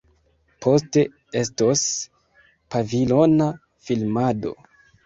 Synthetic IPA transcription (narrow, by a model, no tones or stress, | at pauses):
pʰo̞ste̞ | e̞stos | pavilo̞na | filmado̞̰